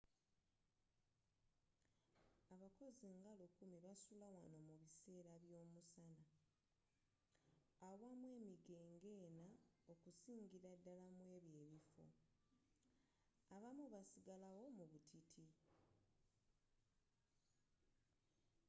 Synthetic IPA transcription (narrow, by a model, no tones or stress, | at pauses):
aβako̞ziŋɡalukumiβasulawa̰no̞muβise̞ːɾaβjo̞ːmusana | wamwe̞ːmiɡe̞ːŋɡe̞ːnao̞kusiːŋɟiɾadːalamwe̞ːβjeːβifo̞̰ | aβamuβasiɡalawo̞muβutʰitʰi